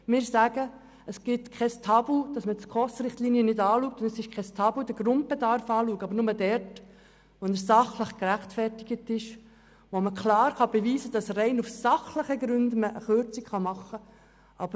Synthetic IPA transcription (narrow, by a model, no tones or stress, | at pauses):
mɪːɾsæɡə | əsɡ̥ɪtkʰɛstʰɑbl̩d̥ɑsmətkʰɔsɾɪχtliːniənɪdɑːluːk̚tʊndəsɪʃkχɛstʰɑblud̪əɡ̥ɾʊnt̚bedɑɾfɑːluːəɡɑbəɾnʊmədɛɾt | ʋɔnəɾsɑχləχkɾæχtfɛrtɪɡ̥ətɪʃ | ʋoməkʰlɑːɾχɑbeʋiːzəd̥ɑsrɛɪnufsɑχləχəɡɾʏndəməʔəχøɾt͡sikχɑmɑχːə | ʔɑb̥ə